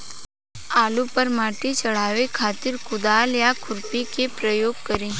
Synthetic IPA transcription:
aːlupəɾmaːʈit͡ʃəɽ̤aːʋekʰaːt̪ɪɾkʊd̪aːljakʰʊɾpikepɾəjoːɡ̚kəɾĩː

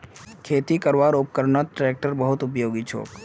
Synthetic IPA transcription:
kʰeːt̪ikəɾʋaːɾʊpkəɾɳət̪̚ʈɾeːk̚ʈəɾbəɦʊt̪ʊp̬joːɡit͡ʃʰo̰ːk

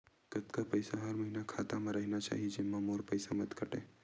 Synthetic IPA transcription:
kət̪kapəjsaɦəɾməɦinakʰat̪amãɾəɦinat͡ʃa̰ɦid͡ʒemːãmoɾpəjsamət̪kəʈḛ

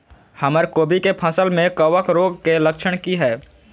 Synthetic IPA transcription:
həməɾkoːbikepʰə̃səlmẽkəwəkɾoːɡkeləkʃəɽ̃kiɦɛː

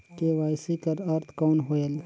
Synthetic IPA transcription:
keʋaːjsikɐɾɐɾt̪ʰkɔːnɦoːel

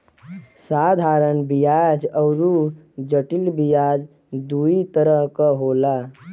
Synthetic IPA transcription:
sad̪ʱaɾənbijad͡ʒəwɾu | d͡ʒəʈilbijad͡ʒ | d̪uit̪əɾəɦkəɦola

